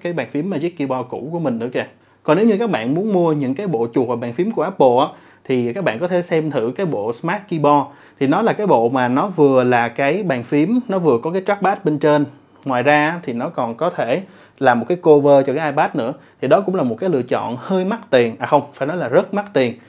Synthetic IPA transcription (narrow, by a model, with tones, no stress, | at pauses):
kaː˨˦jɓaː˨˩nfi˨˦əmːaː˨˩zi˦˥kːi˧ɓɔ˧kṵ˧˩˥ku˧˩əmï˨˩ŋ̟nɨ̰˧˥əke˧˩ | kɔ˨ne˨˦wɲɨ˧kaː˦˥k̚ɓa̰ː˧˨nmu˨˦ənmu˧əɲɨ̰˧˥ŋkaː˨˦jɓo̰˧˨t͡ɕʊ˨˩k̚vaː˨˩ɓaː˨˩nfi˨˦əmku˧˩əʔaː˦˥p̚ɓo̰˧˨ʔaː˨˦˥ | t̪ʰi˨˩kaː˦˥k̚ɓa̰ː˧˨ŋkɔ˨˦t̪ʰe˧˩sɛ˧mt̪ʰɨ̰˧˩kaː˨˦jɓo̰˧˨smaː˦˥t̚ki˧ɓɔ˧ | t̪ʰi˨˩nɔ˨˦laː˨˩kaː˨˦jɓo̰˧˨maː˨˩nɔ˨˦vɨ˨˩əlaː˨˩kaː˨˦jɓaː˨˩nfi˨˦əmnɔ˨˦vɨ˨˩əkɔ˨˦kaː˨˦jt͡ɕaː˦˥k̚ɓaː˦˥t̚ɓe˧nt͡ɕe˧n | ŋwaː˨˩jzaː˧˦˥t̪ʰi˨˩nɔ˨˦kɔ˨˩nkɔ˨˦t̪ʰe˧˩ | laː˨˩mo˨˩t̚kaː˨˦jko˧vəː˧t͡ɕɔ˧kaː˨˦jʔaː˧jɓaː˦˥t̚nɨ̰˧˥ət̪ʰi˨˩ɗɔ˨˦kʊ̰˧˥ŋ͡mlaː˨˩mo˨˩t̚kaː˨˦jlɨ̰˧ət͡ɕɔ̰˧˨nhəː˧jma˦˥t̚t̪i˨˩ənʔaː˨˩xə˧wŋ͡mfaː˧˩jnɔ˨˦jlaː˨˩zə˦˥t̚ma˦˥t̚t̪i˨˩ən